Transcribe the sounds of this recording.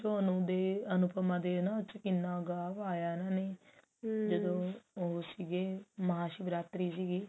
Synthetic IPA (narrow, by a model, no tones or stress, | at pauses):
t͡ʃonũːd̪eːənʊpəmãːd̪eːnãːt͡ʃkɪnːaːɡaːʋaːjaːnãːneː | d͡ʒəd̪õːɦosiːɡeːməɦaːʃibɾaːt̪ɾiːsiːɡiː